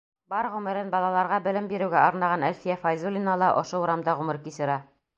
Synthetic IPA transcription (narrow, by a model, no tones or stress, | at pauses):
bɑɾʁʉmɘ̆ɾɘnbɑlˠɑlˠɑɾʁɑbɘ̆lɘmbiɾɘ̆wɡæɒ̆ɾnɑʁɑnælfijæfɑjzulʲinɑlˠɑʔŏʃouɾɑmd̪ɑʁʉmɘ̆ɾkisɘ̆ɾɑ